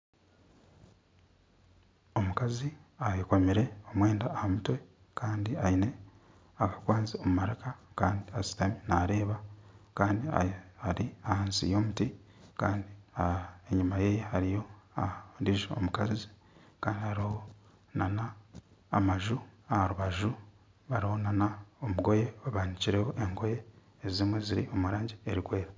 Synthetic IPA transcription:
o̞mukaziajekomiɾe̞o̞mwe̞ːndaːhamutwe̞ | kʰaːndiaine̞ | akḁkwaːnzio̞mumaɾakakaːndiasi̥taminaːɾe̞ːβakaːndia̰aɾiahaːnsḭjo̞ːmuti | kaːndiaeɲumaje̞ːjehaɾijo̞andiʒeo̰mukazi | kaːndihaɾiho | nanaː | maʒuahaɾuβaʒu | βaɾiho̞nanaomuɡo̞je̞aβaːɲiciɾeho̞ʔeŋɡo̞je̞ː | zimwe̞ziɾḭo̞muɾaːɲɟieɾikwe̞ːɾa

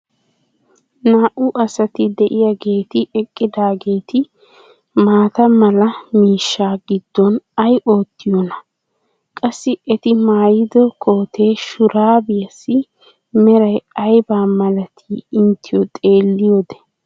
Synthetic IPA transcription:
naːʔʊʔɐsɐt̪ɪd̪ɛʔɪjɐɡe̞ːt̪ɪʔɛkʼːɪd̪aːɡe̞ːt̪ɪ | maːt̪ɐmɐlɐmiːʃːaːɡɪd̪̥ːɔnɐjʔo̞ːt̪ːɪjɔnɐ | kʼɐsːɪɛt̪ɪmaːjɪd̪ɔkʰo̞ːt̪ʰe̞ːʃʊɾʔaːbɪjɐsːɪ | mɛɾɐjɐjbaːmɐlɐt̪ʰiːɪnt̪ɪjɔt̪ʼe̞ːlːɪjod̪ɛ̥

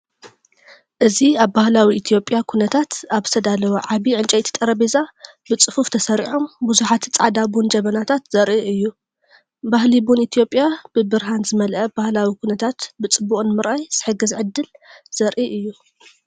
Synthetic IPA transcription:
ʔɨziaβːahlawiʔit̪ʰjo̞pʼjakʰunɐt̪ʰat̪aβzɨt̪ʰɐd̪alɐwɐʕaβiʕɨnt͡ʃʼɐjt̪ʰi̥t̪ʼɐɾɐbeza | bɨt͡sʼɨfuft̪ʰɐsɐɾiħombuzuħat̪ʰt͡sʼa̰ʕd̪abund͡ʒɐβɐnat̪ʰat̪z̥ɐɾʔiʔɨjːu | bahlibunit̪ʰijo̞pʼjab̥ɨbɨɾɦanzɨmɐlʔɐbahlawikʰunɐt̪ʰat̪bɨt͡sʼɨbuχʼnɨmɨɾʔajz̥ɨħɨɡɐzʕɨd̪ːɨlz̥ɐɾʔiʔɨjːu

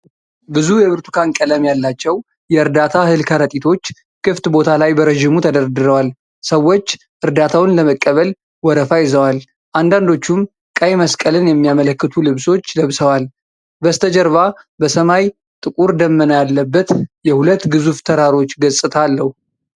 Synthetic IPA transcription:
bɨzujɛβɨɾt̪ʰu̥kʰankʼələmjalːat͡ʃːɛw | jɛɨɾd̪at̪ʰahɨlkʰəɾət̪ʼit̪ʰo̞t͡ʃː | kʰɨft̪bo̞t̪ʰalajbəɾəʒimut̪ʰəd̪əɾd̪ɨɾəwal | səwːo̞t͡ʃː | ʔɨɾd̪at̪ʰawɨnləməkʼːəβəl | wɔɾəfajɪzəwal | ʔand̪and̪o̞t͡ʃːum | kʼəjməskʼəlɨnjɛmːijamələkːɨt̪ʰulɨβso̞t͡ʃːləβsəwal | bəst̪ʰəd͡ʒəɾβa | bəsəmaj | t̪ʼɨkʼuɾd̪əmːənəjalːəbːət̪jɛhulət̪ːɡɨzuft̪ʰəɾaɾo̞t͡ʃːɡəsʼɨt̪ʰalːəhu

